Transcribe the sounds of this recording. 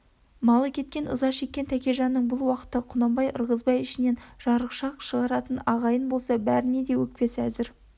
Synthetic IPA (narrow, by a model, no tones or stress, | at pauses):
mɑlˠəkʲʰe̞t̪̚kʲe̞nʊ̰zɑʃe̞kʲːe̞nt̪ʰækʲe̞ʒɑnːəɴbʊlˠwɑqə̥t̪əqʰʊnɑmbɑjəɾʁəzbɑjɪʃɪne̞nʒ̥ɑɾəqʃɑqʃəʁɑɾɑt̪ənɑʁɑjənbo̞lˠsɑbæɾɪne̞d̪e̞wɵk̚pe̞sæzɪɾ